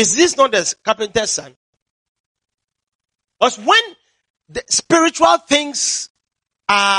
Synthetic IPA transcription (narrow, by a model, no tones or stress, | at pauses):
ɪsðisnɔt̚dəskapɛ̃ntɛsã̰n | ɔswɛ̃n | dspiɹit͡ʃualˠθɪ̃ŋs | a